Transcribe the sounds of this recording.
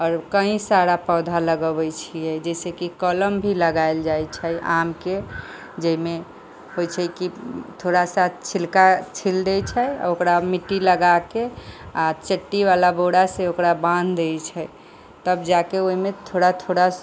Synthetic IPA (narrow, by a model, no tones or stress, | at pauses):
ɔːɾkəɦĩsaɾapəd̪ʱaləɡəbət͡ʃʰijɛd͡ʒɛsekikələmbʱiləɡaeld͡ʒajt͡ʃʰəʔa̰mke | d͡ʒəime | ɦojt͡ʃʰɛkit̪ʰoɾasat̪̚ʰt͡ʃʰilkat͡ʃʰild̪ɛt͡ʃʰɛja̰okɾamiʈːiləɡakeat͡ʃəʈːiβalaboɽaseokɾabãnd̪ʱd̪et͡ʃʰɛ | t̪əbd͡ʒakeoimet̪ʰoɾat̪ʰoɽa